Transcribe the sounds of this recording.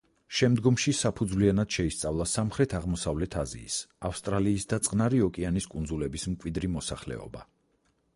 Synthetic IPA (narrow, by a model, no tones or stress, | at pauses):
ʃɛmd̪ɡɔmʃisapʰud̪zvlianad̪̥ʃɛist̪sʼavlˠasamχɾɛt̪ʰaʁmɔsavlɛt̪ʰazḭːsafst̪ʼɾaliːsd̪at̪sʼqʼnaɾiɔkʼianiskʼund̪zulɛbismkʼwid̪ɾimɔsaχlɛ̰ɔ̰ba̰